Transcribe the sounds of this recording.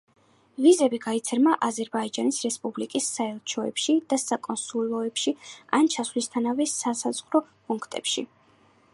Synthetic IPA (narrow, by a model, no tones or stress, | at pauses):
vizɛbiɡait̪sʰɛɾmaʔazɛɾbaid͡ʒanisɾɛspʼublikʼisːaɛlˠt͡ʃʰɔɛ̰pʃid̪̥asakʼɔnsulˠɔɛpʃia̰nt͡ʃʰaslist̪ʰanavɛsasaz̥ʁɾɔpʼuŋkʰt̪ʼɛ̰pʃḭ